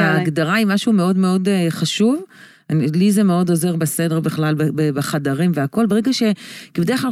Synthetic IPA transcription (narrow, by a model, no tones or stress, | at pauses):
aːɡdaʁaimaʃumeo̞dme̞o̞deχaʃuv | anilizemeo̞do̞ze̞ʁbese̞deʁbeχlalbebebeχadaʁimveako̞lbe̞ʁeɡaʃe̞kibedeχklal